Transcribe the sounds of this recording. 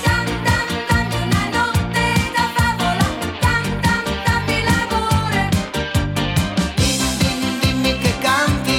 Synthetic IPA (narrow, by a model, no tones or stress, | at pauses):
sant̪ant̪aulanɔt̪ːed̪afabolat̪ant̪ant̪amilavoɾe | id̪ind̪imikekant̪i